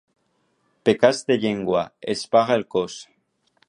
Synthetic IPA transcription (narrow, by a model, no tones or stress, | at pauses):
pekazd̪eʎeŋɡwaespaɣaelkos